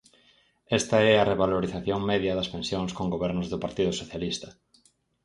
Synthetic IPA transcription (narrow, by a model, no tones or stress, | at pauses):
ɛst̪ɐɛɐrʔeβaloɾiθaθjoŋmɛðjɐðɐspẽnsjoŋskoŋɡoβɛɾnʊzðʊpaɾt̪iðʊsoθjalist̪ɐ